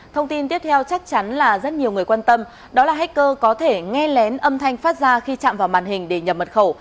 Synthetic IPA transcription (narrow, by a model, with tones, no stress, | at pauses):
t̪ʰə˧wŋ͡mt̪i˧nt̪i˦˥əp̚t̪ʰɛ˧wt͡ɕa˦˥k̚t͡ɕa˨˦nlaː˨˩zə˦˥t̚ɲi˨˩əwŋɨ˨˩əjkwaː˧nt̪ə˧m | ɗɔ˨˦laː˨˩ɦa˦˥k̚kəː˧kɔ˨˦t̪ʰe˧˩ŋɛ˧lɛ˨˦nʔə˧mt̪ʰa˧jŋ̟faː˦˥t̚zaː˧xi˧t͡ɕa̰ː˧˨mvaː˨˩wmaː˨˩nhï˨˩ŋ̟ɗe˧˩ɲə˨˩p̚mə˨˩t̚xə˧˩w